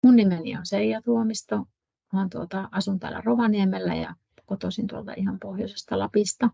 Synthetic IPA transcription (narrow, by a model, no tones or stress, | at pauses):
munnimenḭonseijɑt̪uomist̪o | hɑnt̪uot̪ɑɑsunt̪æ̰ːlːæ̰roʋɑniemelːæ̰jɑ̰ | kot̪osint̪uolt̪ɑ̰ihɑmpohjosest̪ɑlɑpist̪ɑ